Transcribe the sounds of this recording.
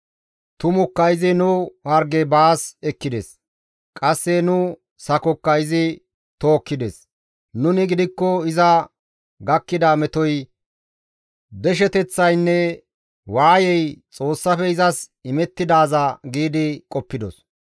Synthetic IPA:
t̪ʊmʊkːɐjzɪnʊhɐɾɡɛbaːsɛkːɪd̪ɛs | kʼɐsːɛnʊ | sɐkɔkːɐjzɪ | t̪oːkːɪd̪ɛs | nʊnɪɡɪd̪ɪkːɔɪzɐ | ɡɐkːɪd̪amɛt̪ɔj | d̪ɛʃ̬ɛt̪ɛt͡sːɐjnːɛ | waːjɛjt͡sʼo̞ːsːɐfɛɪzɐsɪmɛt̪ːɪd̪aːzɐɡiːd̪ɪkʼɔpːɪd̪ɔ̰s

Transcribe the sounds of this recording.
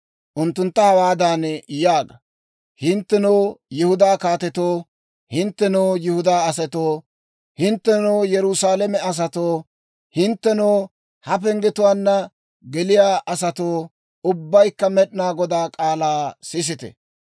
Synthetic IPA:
ʔʊnt̪ːʊnt̪ːɐhɐwaːd̪aːnjaːɡɐ | hɪnt̪ːɛnoːjɪhʊd̪aːkaːt̪ɛt̪oː | hɪnt̪ːɛnoːjɪhʊd̪aːɐsɛt̪oː | hɪnt̪ːɛnoːjɛɾʊsaːlɛmɛɐs̬ɐt̪oː | hɪnt̪ːɛnoː | hɐpɛŋɡɛt̪ʊwaːnːɐ | ɡɛlɪjaːʔɐsɐt̪oː | ʊbːɐjkːɐmɛɗnaːɡɔd̪aːkʼaːlaːsɪs̬ɪt̪ɛ̰

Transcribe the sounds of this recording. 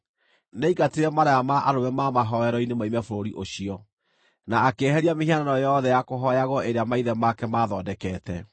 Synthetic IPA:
neiɡateɾɛmaɾaamaʔaɾomɛmamaɦɔɛɾɔinemaimɛfoɾoɾiʔoɕiɔ | naːkeɦɛɾiamehiananɔjɔðɛjakoɦɔjaɣwɔʔeɾeamaiðɛmakɛmaðɔːdɛkɛːtɛ

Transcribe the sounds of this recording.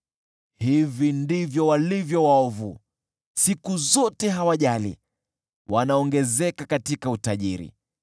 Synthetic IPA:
hivindivjɔwalivjɔwaɔvu | sikuzɔtɛɦawaʄalḭ | wʔanaɔŋɡɛzɛkakatikautaʄiɾḭ

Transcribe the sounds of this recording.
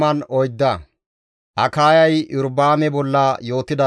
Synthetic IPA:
mɐnɔjd̪ːɐ | ʔɐkaːjɐjʔʊɾbaːmɛbɔlːɐjo̞ːt̪ɪd̪ɐ

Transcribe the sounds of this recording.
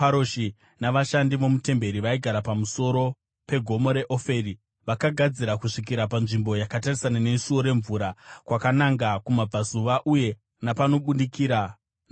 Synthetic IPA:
aɾoʃi | naʋaʃandiʋo̞mute̞mbe̞ɾiʋaiɡʱaɾapamuso̞ɾo̞ | pe̞ɡʱo̞mo̞ɾe̞ʔo̞fe̞ri | ʋakaɡʱad͡ziɾakuʂik̬iɾapanʐimbo̞jakatarisanane̞suo̞ɾe̞ɱvuːɾakwakanaŋɡakumab͡vazuʋaʔuje̞ | napano̞ɓundikiːɾa

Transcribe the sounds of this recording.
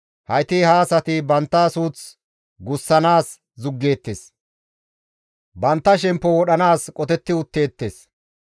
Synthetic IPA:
hɐjt̪ɪhaːsɐt̪ɪbɐnt̪ːaːsuːt͡s | ɡʊsːɐnaːs | zʊɡːe̞ːt̪ːes | bɐnt̪ːɐʃɛmpːɔwɔɗɐnaːskʼɔt̪ɛt̪ːɪʊt̪ːe̞ːt̪ːeːs

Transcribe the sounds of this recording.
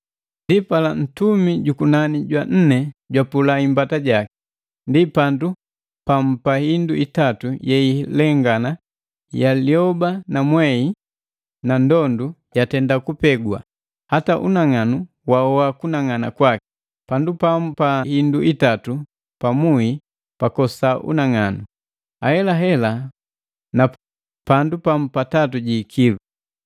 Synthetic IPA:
ndipalan̩tumiɟukunaniɟwan̩nɛɟwapulaimbataɟaki̥ | ndipandu | pam̩pahinduitatujɛilɛŋɡana | jaliɔbanamwɛi | nandɔndujatɛndakupɛɡwa̰ | hataʔṵnaŋanu | waɔakunaŋanakwaki̥ | pandupam̩pahinduʔitatu | pamui | pakɔsaʔṵnaŋanu | ahɛlaɦɛla | na | pandupam̩patatuɟiːkʰilu

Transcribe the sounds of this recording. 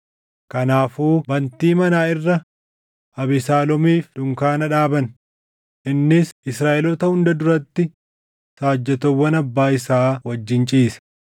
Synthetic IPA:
kɐnaːfuːbɐnt̪iːmɐnaːɪrːɐ | ʔɐbɪsaːlɔmiːfᶑ̪ʊŋkaːnɐᶑaːbɐn | ʔɪnːɪsʔɪsɾaːʔɛlɔt̪ɐhʊnd̪ɐd̪ʊɾɐt̪ːɪ | saːd͡ʒːɛt̪ɔwːɐnɐbːaːɪsaːwɐd͡ʒːɪnt͡ʃʼiːsɐ̥

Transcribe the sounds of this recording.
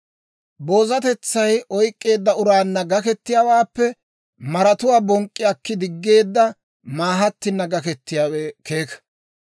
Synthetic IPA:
bo̞ːzɐt̪ɛt͡sːɐjʔɔjkʼːe̞ːd̪ːɐʊɾaːnːɐɡɐkɛt̪ːɪjawaːpːɛ | mɐɾɐt̪ʊwaːbɔŋkʼːɪɐkːɪd̪ɪɡːe̞ːd̪ːɐ | maːɦɐt̪ːɪnːɐɡɐkɛt̪ːɪjaːweke̞ːkɐ̥

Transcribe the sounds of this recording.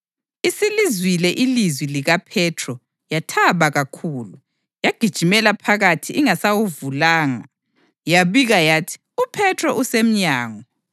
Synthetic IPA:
isilizwilɛʔilizwiliɣapʰɛtʰrɔ | jatʰaβaɣakʰuːlu | jaɡ̥ʱid̥ʒ̥ʱimɛlapʰaɣatʰiʔiŋasaɣuvulaːŋa̰ | jaβiɣajaːtʰi̥ | upʰɛtʰrɔʔusem̩ɲaːŋɔ

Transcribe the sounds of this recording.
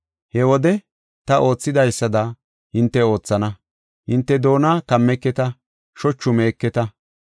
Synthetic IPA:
hɛwɔd̪ɛ | t̪ɐʔo̞ːt͡sːɪd̪ɐjsːɐd̪ɐ | hɪnt̪ːɛo̞ːt͡sːɐnɐ | hɪnt̪ːɛd̪o̞ːnaːkɐmːɛkːɛt̪ɐ | ʃɔt͡ʃːʊme̞ːkːɛt̪ɐ

